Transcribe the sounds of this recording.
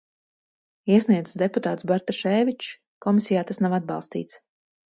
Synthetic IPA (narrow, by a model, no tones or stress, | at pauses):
iɛsniɛd̪zɨsd̪eput̪aːt̪sbaɾt̪aʃɛːvʲit͡ʃ | kɔmisʲijaːt̪asnavad̪̚bɑ̰lˠst̪ḭːt̪s